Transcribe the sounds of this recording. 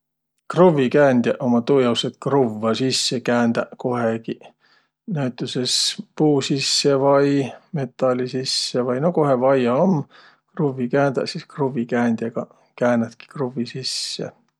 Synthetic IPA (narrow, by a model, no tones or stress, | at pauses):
kruvikæːnd̪̥ʲjɑʔomɑt̪ujɑwset̪kruvːɑsisːekæːnd̪̥ɑko̞heki | næt̪ːˑuse̞spuːsisːe̞vɑjme̞t̪ˑːɑlisisːevɑjno̞ko̞ɦevɑjɑom | kruvːikæːnd̪̥ɑ̰siskruvikæːnʲd̪̥jɑɡ̥ɑ | kæːnɑt̪ki̥kruvisisːḛ